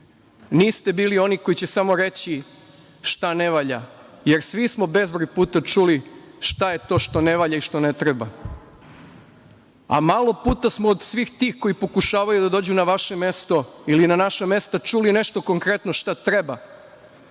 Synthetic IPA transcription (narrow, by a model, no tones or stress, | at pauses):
niːst̪e̞biːlio̞niko̞it͡ɕesamo̞ɾe̞t͡ɕi | ʃt̪ane̞ʋaːʎa̰je̞ɾsʋismo̞be̞zbɾojpuːt̪at͡ʃuliʃt̪aje̞t̪o̞ːʃt̪o̞ne̞ʋaʎaiʃt̪o̞ne̞t̪ɾeba | a̰malˠo̞puːt̪asmoːd̪sʋixt̪iːxko̞jipo̞kuʃaːʋajud̪ad̪o̞ːd͡ʑunaʋaʃeme̞st̪o̞ilinanaʃame̞st̪at͡ʃulineʃt̪o̞ko̞ŋkɾe̞t̪no̞ʃt̪at̪ɾe̞ba